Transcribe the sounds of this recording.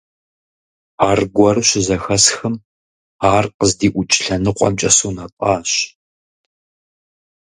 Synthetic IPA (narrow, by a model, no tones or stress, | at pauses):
aːrɡʷɔrɨɕɪzɐxɐsxɐm | aːrqəzdiːʔʷʊt͡ʃʼɪɬɐnɨqʷʼɔ̰mt͡ʃʼɐsuːnapʼaːɕ